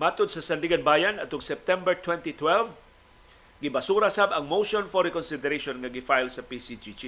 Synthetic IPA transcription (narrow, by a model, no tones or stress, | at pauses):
maːt̪ʊd̪̚sɐsɐnd̪iɡɐnbaːjɐnɐt̪ʊŋsɛp̚t̪ɛmbɛɹt̪wɛnt̪it̪wɛlv | ɡɪbɐsuːɾasabɐŋmowʃonfɔɾɛkɔnsɪd̪ɛɾeʃonŋɐɡɪfajlsɐpisid͡ʒid͡ʒi